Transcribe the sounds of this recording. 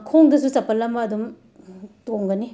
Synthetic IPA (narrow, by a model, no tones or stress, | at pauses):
kʰoŋdɐsut͡sɐpɐlːɐmɐːdum | toŋɡɐni